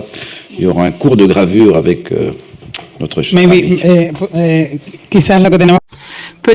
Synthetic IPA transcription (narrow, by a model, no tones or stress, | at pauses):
iljɔʁaɛ̃kuʁd̪əɡʁavyːʁavɛkø̰ | nɔt̪χəʃmɛwi | kisalakəd̪enepø